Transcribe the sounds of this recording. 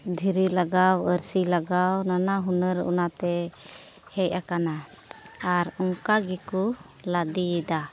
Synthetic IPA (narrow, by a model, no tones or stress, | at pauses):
d̪ʱiɾilaɡawəɾsilaɡawnanaɦunəɾṵnat̪ɛ | hɛjakana | aɾɔŋkaɡɛku | lad̪id̪a